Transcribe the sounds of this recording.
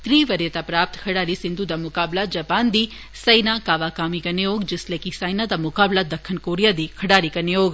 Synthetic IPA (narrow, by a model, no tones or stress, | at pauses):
t̪ɾiːʋɐɾjɐt̪apɾaːp̚t̪kʰɐɽaːɾisind̪ʱud̪amʊkaːblad͡ʒɐpaːnd̪i | sɐjnakaːʋaːkaːmikɐnejoːɡd͡ʒɪslekisɐjnad̪amʊkaːblad̪ɐkʰːɐnkoːɾijad̪ikʰɐɽaːɾikɐnejoːɡ